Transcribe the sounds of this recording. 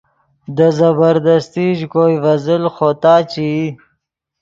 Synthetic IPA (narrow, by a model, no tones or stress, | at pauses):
d̪əzɐbəɾd̪ast̪iʒkojvɐzəlxot̪ɑːt͡ʃi